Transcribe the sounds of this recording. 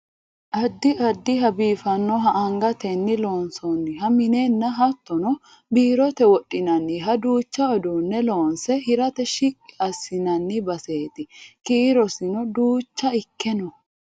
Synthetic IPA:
ʔɐd̪ːɪʔɐd̪ːɪɦɐbiːfɐnːɔɦɐʔɐŋɡɐt̪ɛnːɪloːnsɔnːɪɦɐmɪnenːɐɦɐt̪ːɔnɔ | biːɾɔt̪ɛwɔɗʼːɪnɐnːɪɦɐd̪uːt͡ʃːɐɔd̪unːɛloːnsɛhɪɾɐt̪ɛʃikʼːɪɐsːɪnɐnːɪbɐse̞ːt̪ɪkiːɾɔsɪnɔd̪uːt͡ʃːɐɪkːɛnɔ

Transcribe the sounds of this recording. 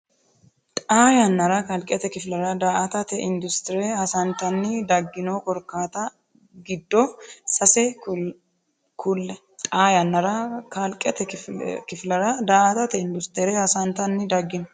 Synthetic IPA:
t̪ʼaːjɐnːɐɾɐkɐlkʼɛt̪ɛkɪflɐɾɐd̪aːʔɐt̪ɐt̪ɛʔɪnd̪ʊst̪ɪɾɛhɐsɐnt̪ɐnːɪd̪ɐɡːɪnokɔɾkːaːt̪ɐ | ɡɪd̪ːɔsɐsɛ | kʰʊlːɛ | t̪ʼaːjɐnːɐɾɐkɐlkʼɛt̪ɛkɪflɐɾɐd̪aːʔɐt̪ɐt̪ɛɪnd̪ʊst̪ɪɾɛhɐsɐnt̪ɐnːɪd̪ɐɡːɪnɔ

